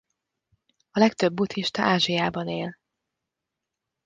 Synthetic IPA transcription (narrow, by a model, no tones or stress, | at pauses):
ɒlɛkt̪ø̞bːut̪ʰiʃt̪ɒʔaːʒijaːbɒneːl